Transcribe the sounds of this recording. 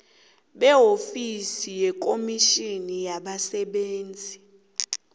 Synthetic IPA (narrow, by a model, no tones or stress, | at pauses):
ɓɛɦofisijɛk̬ʼomiʃinijaɓasɛɓeːnd͡zʱi